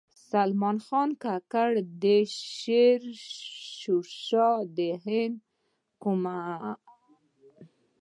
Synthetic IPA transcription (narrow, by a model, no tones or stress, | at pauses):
salmɑnxɑnkakaɽd̪eʃeɾʃuʃɑd̪eɦɪnd̪ | kuma